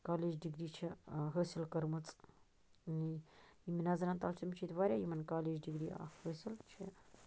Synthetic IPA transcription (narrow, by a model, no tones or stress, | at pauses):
kaːled͡ʒdiɡɾiːt͡ʃʰiɦəsʲilkəɾmɐt͡sʼ | nimʲinazɐnant̪alsumt͡ʃʰit̪ʋaːɾʲajimɐnkaːlʲeːd͡ʒɖiɡɾia̰həsʲilt͡ʃʰi